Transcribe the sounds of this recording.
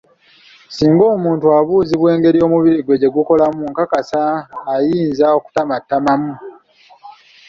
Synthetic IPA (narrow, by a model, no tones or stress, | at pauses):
siːŋɡo̞ːmuːntuaβuːziβwe̞ːŋɡe̞ɾijo̞ːmuβiɾiɡwe̞ɟe̞ɡuko̞lamuŋkakasaːjiːnzao̞ku̥tamatːamamu